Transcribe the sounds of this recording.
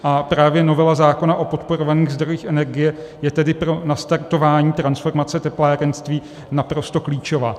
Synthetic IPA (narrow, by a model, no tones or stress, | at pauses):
ʔapɾaːvjɛno̞vɛlazaːko̞naʔo̞po̞t̪po̞ɾovaniːɣzd̪ɾojiːxʔɛnɛɾɡɪjɛ | jɛt̪ɛdɪpɾo̞nast̪aɾt̪o̞vaːɲiːt̪ɾansfo̞ɾmat͡sɛt̪ɛplaːɾɛnst̪viː | napɾo̞st̪o̞kliːt͡ʃo̞vaː